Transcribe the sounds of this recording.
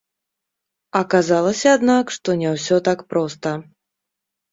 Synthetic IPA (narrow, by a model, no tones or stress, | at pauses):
ɐkazalˠɐsʲɐːd̪nakʂt̪ɔnʲɛwsʲɔt̪akpɾɔst̪ɐ